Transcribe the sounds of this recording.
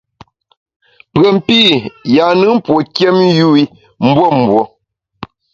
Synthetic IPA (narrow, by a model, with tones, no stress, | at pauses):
pə˨m̩˦pi˦˨ja˨nɨ˦m̩˦pwo˨kje˦m˦ju˦i˦ | m̩˦bwo˦˨m̩˨bwo˨